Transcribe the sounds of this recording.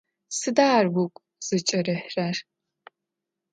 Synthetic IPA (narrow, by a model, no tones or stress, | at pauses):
sɨdaːrwʊkʷʼ | z̥ɨt͡ʃʼɐrɨħrar